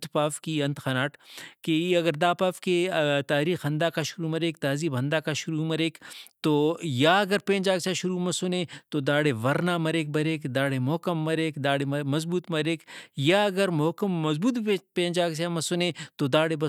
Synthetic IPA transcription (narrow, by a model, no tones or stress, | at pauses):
t̪paːfkiɐ̃nt̪xɐnaːʈkeɐɡəɾd̪aːpaːfket̪aːɾiːxɦɐ̃nd̪aːkaʃʊɾumɐɾeːk̚t̪aːziːbʱɐ̃nd̪aːkaʃʊɾumɐɾeːkt̪oːjaɐɡəɾpẽːd͡ʒaːɡsaʃʊɾumɐsʊnẽːt̪od̪aːɽeʋɐɾnamɐɾeːk̚bɐɾeːkd̪aːɽemɔːkɐmːɐɾeːkd̪aːɽeɐmɐzbuːt̪mɐɾeːkjaɐɡəɾmɔːkəmːɐzbuːt̪pẽːnd͡ʒaːɡsamɐsʊnẽːt̪od̪aːɽebɐ